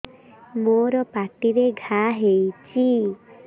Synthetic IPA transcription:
moɾɔpaʈiɾeɡʱaɦejt͡ʃʰi

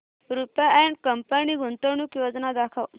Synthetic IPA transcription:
ɾupjaɛɳʈkəmpaniɡʱunt̪əɳuːkjod͡znad̪akʰəw

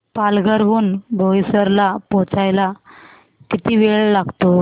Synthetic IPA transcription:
palɡʱəɾɦuːnbʱoisəɾlapɔt͡sajla | kit̪iːʋeɭlaɡt̪o

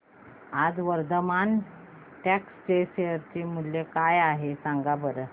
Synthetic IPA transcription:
ad͡zʋəɾd̪əman | ʈɛkst͡ɕeɕeəɾt͡ɕim̤ulːekajaɦesaŋɡabəɾə

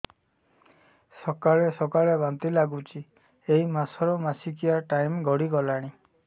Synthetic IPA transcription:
sɔkaɭesɔkaɭebant̪ilaɡut͡ʃi | ejmasɔɾɔmasikijaʈajmɡɔɽiɡɔlaɽ̃i

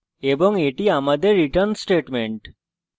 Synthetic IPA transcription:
ebɔŋeʈiamad̪eɾːiʈəɾnsʈeʈmeɳʈ

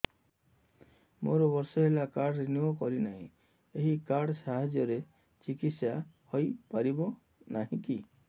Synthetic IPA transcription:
moɾɔbɔɾsɔɦelakaɾɽɾeniɔkɔɾinaɦḭ̃ | eɦikaɾɽɔsaɦad͡ʒjɔɾe | t͡ʃikit̪sjahɔjpaɾibɔ | naɦĩki

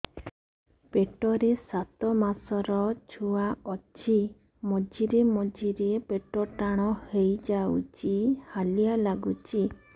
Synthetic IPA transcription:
peʈɔɾesat̪ɔmasɔɾɔt͡ʃʰuaɔt͡ʃʰi | mɔd͡ʒiɾemɔd͡ʒiɾepeʈɔʈaɽ̃ɔhejd͡ʒawt͡ʃihalijalaɡut͡ʃi

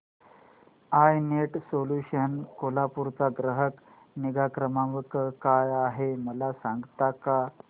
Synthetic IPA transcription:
ajneʈsoluɕənkolapuɾt͡saɡɾəɦək | niɡakɾəmaʋəkkajaɦeməlasãŋɡt̪aka

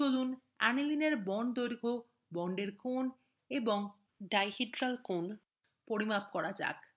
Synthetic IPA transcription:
olun | anilineɾbɔnd̪ojɾɡʱo | bɔɳɖeɾkon | eboŋ | ɖajhiʈɾalkon | poɾimap̚kɔɾad͡ʑa̰k

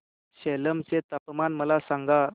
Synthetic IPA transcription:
ɕeləmt͡set̪əpmanməlasaŋɡa

